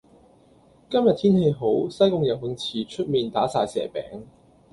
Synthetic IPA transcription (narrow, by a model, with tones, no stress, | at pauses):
kɐ˥mjɐ˨t̪ʰiː˥nhe˧jɦo˨˥wsɐ˥jkʊ˧ŋjɐ˨˩w̚hʊ˨˧ŋt͡sʰiː˨t͡ʃʰɵ˥t̚miː˨˧nt̪aː˨˥saː˧jsɛ̰ː˨˩pɛ̰ː˨˥ŋ